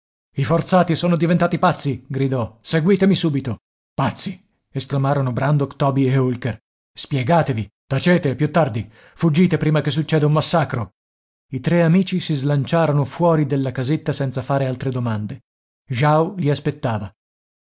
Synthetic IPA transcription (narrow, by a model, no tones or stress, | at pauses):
ifort̪saːt̪isoːnod̪ivent̪aːt̪ipat̪sːiɡɾid̪ɔseɡwiːt̪emisuːbit̪o | pat̪sːi | esklamaːɾonobɾand̪okt̪ɔːbieulker | spjɛɡaːt̪evit̪at͡ʃeːt̪epjut̪ːard̪i | fud͡ʒːiːt̪epɾiːmakes̬ːut͡ʃːɛːd̪eumːasːaːkɾo | it̪ɾeamiːt͡ʃisizlant͡ʃaːɾonofwɔːɾid̪elːakazet̪ːasɛnt̪safaːɾealt̪ɾed̪omand̪e | ʒawʎiaspet̪ːaːva